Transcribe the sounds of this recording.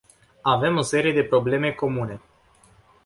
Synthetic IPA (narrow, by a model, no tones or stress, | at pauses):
ave̞mo̞se̞ɾije̞d̪e̞pɾo̞ble̞me̞ko̞mune̞